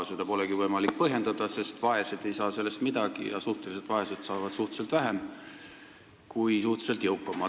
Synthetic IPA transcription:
sjud̪̥ɑpo̞leɡivɤjmɑlik̚pɤɦje̞nd̪̥ɑd̪̥ɑse̞st̪vɑe̞sed̪̥e̞jsɑːse̞lːe̞st̪mid̪̥ɑɡ̥ḭjɑ̰suht̪e̞lis̬e̞d̪̥vɑe̞set̪sɑːvɑd̪̥suht̪selt̪væɦem | kujsuht̪se̞lt̪jɤwkːˑɑmːɑ

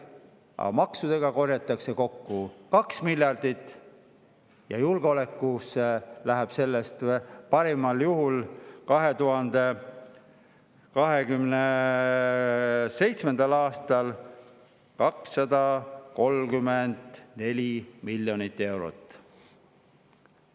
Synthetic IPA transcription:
ʔɑ̰mɑksud̪̥e̞ɡ̥ɑko̞rjɑt̪ːˑɑkse̞ko̞kːukɑksmilʲjɑrd̪̥it̪ːˑ | jɑjulɡ̥eo̞le̞kːuselæɦeb̥se̞lːest̪pɑɾimɑljuɦulkɑɦe̞t̪uɦɑnd̪̥e | kɑɦe̞kymne | se̞jt̪smend̪̥ɑlɑːst̪ɑl | kɑksːɑd̪̥ɑko̞lkymend̪̥ne̞lʲimilʲjo̞nit̪ːˑe̞wɾo̰t̪ːˑ

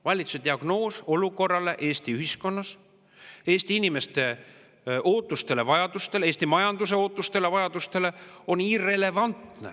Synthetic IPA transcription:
vɑlʲit̪sused̪̥ʲiɑɡ̥no̞ːso̞luko̞rːɑle̞ʔe̞ːst̪iyhisko̞nːɑs | e̞ːst̪iinime̞st̪e̞ | ʔoːt̪ːˑust̪e̞le̞vɑjɑd̪̥ust̪e̞le̞ːst̪imɑjɑnd̪̥use̞o̞ːt̪ːˑust̪e̞le̞vɑjɑd̪̥ust̪e̞le̞o̞niːre̞le̞vɑnt̪ne̞̰

